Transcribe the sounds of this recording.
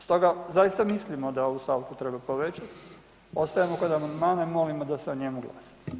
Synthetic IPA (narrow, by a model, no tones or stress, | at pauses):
st̪o̞ɡazajist̪amislimo̞d̪aoust̪alk̪ut̪ɾebapoʋet͡ɕat̪ | o̞st̪ajemokod̪amand̪maːnaimo̞limod̪aseoɲe̞muɡla̰ːsḁ